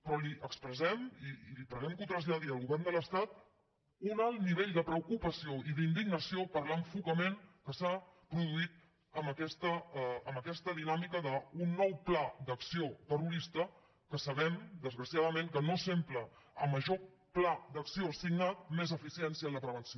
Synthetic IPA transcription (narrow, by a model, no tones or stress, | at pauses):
pɾɔliəkspɾəzɛmiːlipɾəɣɛmkut̪ɾəzʎəðiəlˠɣuβɛrnd̪ələst̪at̪̚ | unalˠniβ̞eʎd̪əpɾəukupəsioiðind̪iɡnəsiopəɾlaɱfukəmenkəsapɾuðuit̪̚ | əməkɛst̪əəməkɛst̪əðinamikəðəunːɔwplad̪əksiot̪əruɾist̪ə | kəsəβɛmd̪əzɣɾəsiaðəmẽŋkənosempləəmːəʒo | plad̪əksiosiɡnat̪̚mezəfisiɛnsiələpɾəβ̞ənsio